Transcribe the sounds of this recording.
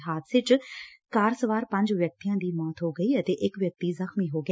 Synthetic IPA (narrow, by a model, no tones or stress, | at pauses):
ɦaːt̪sɪt͡ʃkaːɾsəʋaːɾpə̃ɲd͡ʒʋjək̚t̪ijãːd̪iːmɔːt̪ɦoːɡəiːət̪eːʔɪkʋjək̚t̪iːzəxmiːɦoːɡ